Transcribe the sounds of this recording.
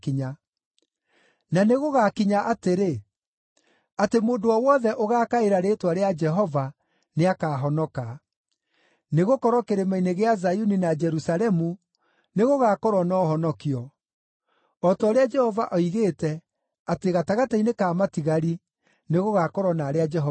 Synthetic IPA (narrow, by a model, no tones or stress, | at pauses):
kiɲa | naneɣoɣakiɲaʔateɾe | atemoːndoɔwɔðɛʔoɣaːkaeɾaɾeːtwaɾead͡ʒɛɦɔva | neakaɦɔnɔka | neɣokɔɾɔkeɾemaineɣeazajuninad͡ʒɛɾusalɛmu | neɣoɣakɔɾwɔnɔːhɔnɔkiɔ | ɔtɔːɾead͡ʒɛhɔvaʔɔiɣeːtɛ | ateɣataɣatainekaːmatiɣaɾi | neɣoɣakɔɾɔnaːɾead͡ʒɛɦɔ